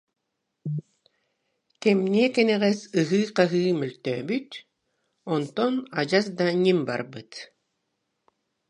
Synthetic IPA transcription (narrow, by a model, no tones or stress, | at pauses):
kɛmniɛkɛnɛʁɛsɯɦɯːqaɦɯːmœlʲt̪œːbyt̪ | ɔnt̪ɔnad͡ʑasd̪aɲʲimba̰ɾbɯt̪